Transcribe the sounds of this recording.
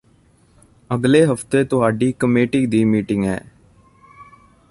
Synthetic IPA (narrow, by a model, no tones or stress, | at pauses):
əɡleːɦəft̪eːt̪ʊɦaːɖiːkəmeːʈiːd̪iːmiːʈɪŋɡɦɛ̰ː